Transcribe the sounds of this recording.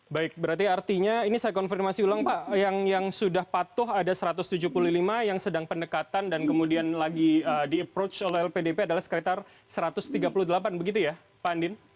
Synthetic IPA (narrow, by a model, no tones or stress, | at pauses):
baɪk̚bəɾart̪̬iart̪iɲainisajakɔnfirmasiulaŋpaʔjaŋjaŋsudahpat̪ʊɦadasəɾat̪ʊst̪ud͡ʒuhpululimajaŋsədaŋpəndəkat̪andankəmudianlaɡiəːdiəpɾot͡ʃolɛɦɛlpedepeadalahsə̥kɾit̪ar | səɾat̪ʊst̪iɡapuluhdəlapanbəɡit̪uja | pandɪn